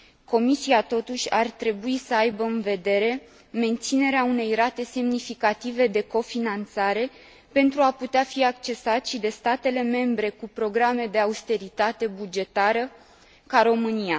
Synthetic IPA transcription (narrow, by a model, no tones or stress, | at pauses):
ko̞misiat̪o̞t̪uʃʲart̪ɾe̞buisəajbəɨnve̞d̪e̞ɾe̞ | me̞nt̪sine̞ɾeaune̞jrat̪e̞se̞mnifikat̪ive̞d̪e̞ko̞finant̪saɾe̞ | pe̞nt̪ɾuaput̪eafiak̚t͡ʃe̞sat̪ʃid̪e̞st̪at̪e̞le̞me̞mbɾe̞kupɾo̞ɡɾame̞d̪e̞aust̪e̞ɾit̪at̪e̞bud͡ʒe̞t̪aɾə | kaɾo̞mɨnija